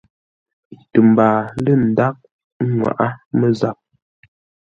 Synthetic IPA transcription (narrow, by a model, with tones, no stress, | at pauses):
tə˨m˨baː˨lə˦˨n̩˨da˦k̚ | ŋwa̰˨ʔa˦mə˦za˨p̚